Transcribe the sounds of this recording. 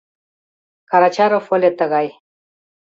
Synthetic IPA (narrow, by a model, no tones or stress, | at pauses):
kaɾat͡ɕaɾofolet̪əɣaj